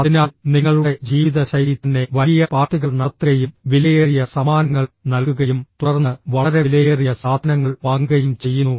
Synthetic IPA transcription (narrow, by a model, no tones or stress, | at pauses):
ɐðinaːlniŋːɐɭuɽe̞d͡ʑiːʋiðɐɕɐjɾjit̪ːine̞ʋɐlijɐpaːrʈːiɣɐɭnɐt̪ːuɣɐjumʋilɐjerijɐsɐmaːnɐŋːɐɭnɐlkuɣɐjumt̪uɽɐrnːɐʋɐɭɐɾe̞ilɐjerijɐsaːd̪ʰʱɐnɐŋːɐɭʋaːŋuɣɐjumt͡ɕe̞jːunːu